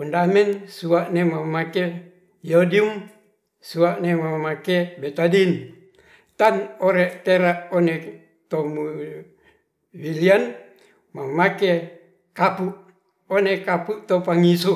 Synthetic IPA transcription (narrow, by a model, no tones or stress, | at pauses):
fundamɛnsuaʔnemamake | jodium | suaʔnemamakebet̪adin | t̪anoɾeʔt̪eɾaʔone | t̪omu | wilian | mamake | kapuʔ | onekapuʔt̪opaŋisu